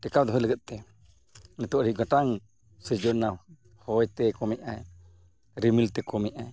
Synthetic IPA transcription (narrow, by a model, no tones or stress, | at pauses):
ʈɛkawd̪ɔɦɔjləɡɛt̪̚ˀt̪ɛ | nɛt̪ɔʔɾiɡãʈaŋ | səd͡ʒɔnaw | hɔjt̪ɛkɔmɛʔʔaj | ɾimilt̪ɛkɔmɛʔaj